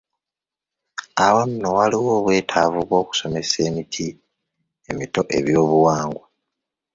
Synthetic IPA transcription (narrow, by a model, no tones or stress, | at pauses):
awam̩nowaliwo̞ːβwe̞ːtʰavuβwo̞ːku̥so̞me̞se̞ːmitʰi | e̞mito̞ʔe̞βjo̞ːβuwaːŋɡwa